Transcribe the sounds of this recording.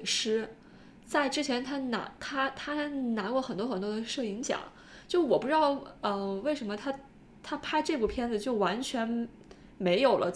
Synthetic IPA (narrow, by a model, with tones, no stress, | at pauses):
ʂɻ̩˥ | t͡sa˥˩ɪʈ͡ʂɻ̩˥t͡ɕʰjɛ˧˥nt̪ʰa˥na̰˧˥t̪ʰa˥t̪ʰa˥na˧˥kwɔ˥˩xə˨˩nt̪wɔ˥xə˨˩nt̪wɔ˥d̪ə˧ʂɤ˥˩i˧˥ŋɕjɑ̰˨˩˦ŋ | t͡ɕjo˥˧wɔ˨˩pu˥ʈ͡ʂɻ̩˥d̪ɑ˥˩ʊə˧we˥˩ɪʂə˧˥nmə˧t̪ʰa˥ | t̪ʰa˥pʰa˥ɪʈ͡ʂɤ˥˧pu˥˩pʰjɛ˥˩nd͡z̩˨t͡ɕjo˥˩ʊwa˧˥nt͡ɕʰɥɛ˧˥n | me˧˥ɪjo˨˩ʊlʔə˦